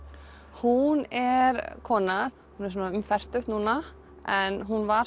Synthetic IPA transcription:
hunɛɾkʰɔːna | hunɛɾs̬ɔːnaʏmfɛr̥t̪ʏht̪nuːna | ɛnɦunvaɾ

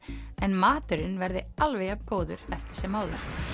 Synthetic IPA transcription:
ɛnmaːt̪ʏɾɪnvɛɾðɪalvɛjapkoːwðʏ̰ɾɛft̪ɪ̥ɾ̥sɛmːaːwðʏ̰ɾ̥

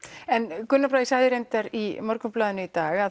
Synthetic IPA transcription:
ɛnkʏnːapɾajsaːjðɪɾejnt̪aɾimɔɾkʏplaːðʏnʏit̪aːɣað

